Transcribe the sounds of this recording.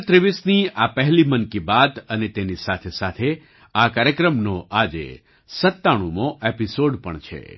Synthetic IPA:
t̪ɾiʋisniapəɦlimənkibat̪ənet̪enisat̪ʰesat̪ʰe | akaɾjəkɾəmnoʔad͡ʒḛ | sət̪ːaɽ̃umoʔepisoɖpə̰ɳt͡ʃʰḛ

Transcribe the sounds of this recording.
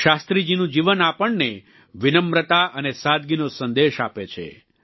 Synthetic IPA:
ʃast̪ɾid͡ʒinũd͡ʒiʋənapəɳne | ʋinəmɾət̪aʔənesad̪̚ɡinosənd̪eʃa̰pet͡ʃʰḛ

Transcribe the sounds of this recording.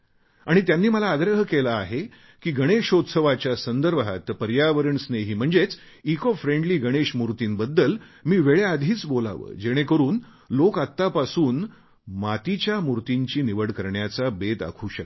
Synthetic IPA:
aɽ̃it̪janːiːməlaːɡɾəɦəkelaːɦe | kiːɡʱəɽ̃eɕot̪səʋat͡ɕjasənd̪əɾbʱa̰t̪pəɾjaʋəɾəɳsneɦiːm̤əɳd͡zet͡s | ikɔfɾeɳɖliːɡəɽ̃eɕmuɾt̪iːnbəd̪ːəlmiːʋeɭead̪ʱiːt͡sbola̰ʋə̰ːd͡ʑeɽ̃ekəɾuːn | lokat̪ːapasuːn | mat̪it͡ɕjamuɾt̪iɲt͡ɕiːniʋəɽkəɾɳjat͡sabet̪a̰kʰuːɕək̚

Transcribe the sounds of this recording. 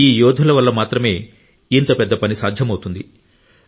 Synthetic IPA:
iːjɔːd̪ʱulɐʋɐlːɐmaːt̪ɾɐme̞ː | int̪ɐpɛd̪ːɐpɐnisaːd̪ʱjɐmɐwt̪und̪i

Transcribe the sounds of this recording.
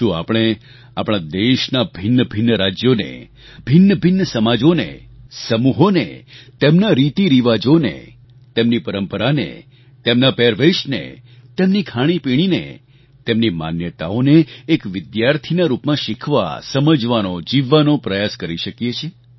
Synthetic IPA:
t̪ũa̰pɽ̃e | apɽ̃ad̪eʃnabʱɪnːəbʱɪnːəɾad͡ʒjonḛ | bʱɪnːəbʱɪnːəsəmad͡ʒonḛsəmuɦonḛt̪emnaɾit̪iɾiʋad͡ʒonḛ | t̪emnipəɾəmpəɾanḛ | t̪emnapɛɾʋeʃnḛt̪emnikʰaɽ̃ipiɽ̃inḛ | t̪emnima̰njət̪a̰oneːkʋɪd̪jaɾt̪ʰinaɾupmãʃikʰʋa̰səməd͡ʒʋanod͡ʒiʋːanopɾəjaskəɾiʃəkjet͡ʃʰe

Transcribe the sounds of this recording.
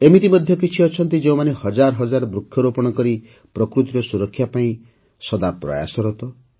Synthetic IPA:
emit̪imɔd̪ʱjɔkit͡ʃʰiɔt͡ʃʰɔnt̪id͡ʒeũmanehɔd͡ʒaɾɔɦɔd͡ʒaɾɔbɾukʰːjɔɾopɔɽ̃ɔkɔɾi | pɾɔkɾut̪iɾɔsuɾɔkʰːjapaĩ | sɔd̪apɾɔ̰ja̰sɔɾɔt̪ɔ

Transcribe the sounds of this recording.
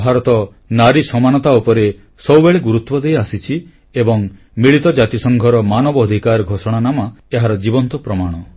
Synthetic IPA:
bʱaɾɔt̪ɔ | naɾisɔmanɔt̪aupɔɾe | sɔwbeɭeɡuɾut̪wɔd̪ejasit͡ʃʰi | ebɔŋ | miɭit̪ɔd͡ʒat̪isɔŋɡʱɔɾɔmanɔbɔːd̪ʱikaɾɡʱosɔɽ̃anamaeɦaɾɔd͡ʒibɔnt̪ɔpɾɔmaɽ̃ɔ

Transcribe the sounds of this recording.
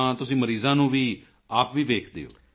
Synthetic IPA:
ãːt̪ʊsĩːməɾiːzãːnũːʋiː | aːpʋiːʋeːkʰd̪ḛːo̰ː

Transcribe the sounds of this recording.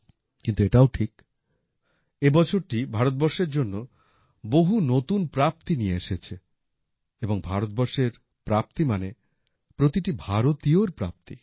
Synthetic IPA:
kint̪ueʈaoʈʰik | ebɔt͡ɕʰoɾʈibʱaɾot̪̚bɔɾʃeɾd͡ʑonːo | boɦunot̪unpɾap̚t̪inijeeʃet͡ɕʰe | eboŋbʱaɾot̪̚bɔɾʃeɾ | pɾap̚t̪imane | pɾot̪iʈibʱaɾot̪ioɾpɾa̰p̚t̪i

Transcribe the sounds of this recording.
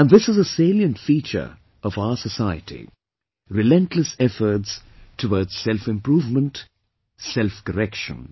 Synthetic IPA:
æ̃nðɪsɨzəseɪljə̃ntfiːt͡ʃə̰˞ | ʔʌvaʊəsəsaɪə̰tʰḭ | ɾɪlɛ̃ntʰləsɛfə˞tstʰəwɔːdz̥sɛlfɪ̃mpɾuːvmə̃nt | sɛlfkəɾɛkʃə̰̃n

